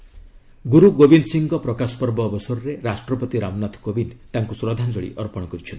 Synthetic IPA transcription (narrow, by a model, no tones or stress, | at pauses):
ɡuɾuɡobinsiŋɡɔpɾɔkaspɔɾbɔːbɔsɔɾɔɾeɾasʈɾɔpɔt̪iɾamnat̪ʰkobint̪aŋkusɾɔd̪ʱand͡ʒɔɭḭʔɔɾpɔɽ̃ɔkɔɾit͡ʃʰɔnt̪